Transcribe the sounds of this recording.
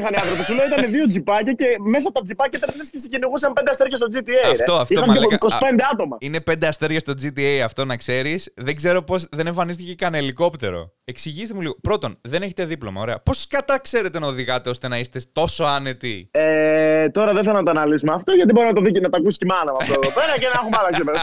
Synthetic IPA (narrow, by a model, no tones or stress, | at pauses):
ixɐneɐðɾot̪osuloit̪ɐneðio̞d͡zipɐcɐceme̞s̬ɐt̪ɐd͡zipɐcɐit̪ɐɾnescesiciniɣus̬ɐmpend̪ɐst̪eɾʝɐst̪od͡zit̪iefeoɐftioxɐmikosi̥pend̪eɐt̪o̞mɐ̰ine̞pe̞nd̪e̞ɐst̪e̞ɾʝɐst̪od͡zit̪iejɐft̪o̞nɐkse̞ɾisðeɡze̞ɾo̞po̞sðe̞ne̞ɱfɐnist̪ice̞kɐneliko̞pt̪e̞ɾo̞̰e̞ksiʝist̪emuliɣopɾo̞t̪onðe̞ne̞çet̪e̞ðiplo̞mɐoɾe̞ɐpo̞skɐt̪ɐkse̞ɾe̞t̪e̞nɐoðiɣɐt̪eo̞st̪e̞nɐist̪e̞t̪o̞so̞ɐne̞t̪iet̪o̞ɾɐðeθelɐt̪ɐnɐlizmɐːft̪oʝɐt̪ibo̞ɾiznɐt̪oðicnɐt̪ɐkusi̥scimɐnɐmɐt̪oopeɾɐcenɐxumɐlɐkipe